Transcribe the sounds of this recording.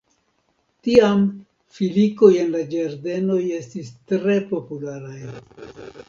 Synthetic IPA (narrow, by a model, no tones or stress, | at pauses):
tiam | filiko̞je̞nlad͡ʒeɾde̞no̞je̞stistɾe̞po̞pulaɾaj